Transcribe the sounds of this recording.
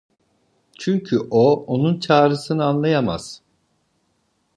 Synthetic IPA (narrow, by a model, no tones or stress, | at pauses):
t͡ʃʰyɲcʰyʔoonunt͡ʃʰaːɾɯsɯnɯanlˠajama̰z̥